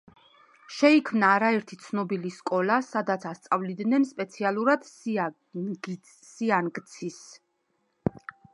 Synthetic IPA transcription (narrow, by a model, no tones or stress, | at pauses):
ʃɛikʰmnaːɾaɛɾt̪ʰit̪sʰnɔbiliskʼɔlasad̪at̪sʰast̪sʼavlid̪nɛnspʼɛt̪sʰialˠuɾad̪̥s | ɡ | sianɡt̪sʰis